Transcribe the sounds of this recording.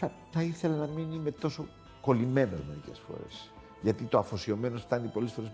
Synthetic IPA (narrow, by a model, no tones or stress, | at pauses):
ɐ | θɐiθe̞lɐnɐminime̞t̪o̞so̞ | kolime̞no̰zme̞ɾice̞̰sfo̞̰ɾḛs | ʝɐt̪it̪o̞ɐfo̞sio̞me̞not̪ɐnipo̞lesfoɾe